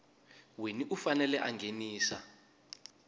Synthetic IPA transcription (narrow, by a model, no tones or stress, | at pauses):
weniʔufanɛlɛʔaŋɡʱeniːsa̰